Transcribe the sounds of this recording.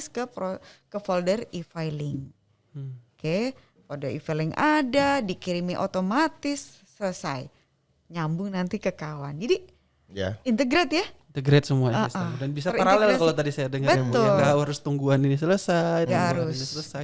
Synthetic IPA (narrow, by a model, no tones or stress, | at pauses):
skəpɾokəfoldərifajlɪŋ | oke | fɔldərḭfajlɪŋʔadadikiɾimiʔot̪omat̪ɪsː | ələsa̰j | ɲambʊŋnant̪ikəkawa̰nd͡ʒadi | jaint̪əɡɾɛt̪jant̪əɡɾɛt̪̚səmuaasaadanbis̬aiɾalɛlakalat̪adisajadaŋəbət̪ʊlɡawhaɾʊst̪uŋɡuaninis̬ələsajt̪ɡaɾʊsinisələsaj